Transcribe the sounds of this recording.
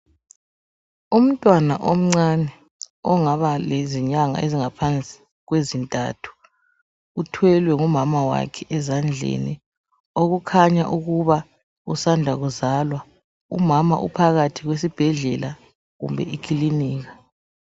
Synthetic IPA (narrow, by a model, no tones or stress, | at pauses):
um̩tʼwana̰ʔom̩ŋ͡ǀanɛ | ɔŋaβaleziɲaŋa̰eziŋapʰant͡sʼi̥ | ɣwezintʼa̰tʰu̥ | utʰwɛlwɛŋumamawa̰kʰɛʔɛzand͡ɮʱḛni | oɣukʰaɲa̰ʔuɣuβa | usandʱaɣuzalwa | ṵmama̰ʔṵpʰaɣatʰiɣwes̬ib̥ʱɛɮɛla | ɣṵmbʱɛ̰ikʰiliniːɣa